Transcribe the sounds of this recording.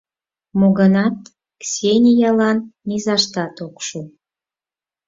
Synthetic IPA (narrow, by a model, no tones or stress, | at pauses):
moɣənɑt̪ | ksʲenʲijɑlɑnːizɑʃt̪ɑt̪okʃu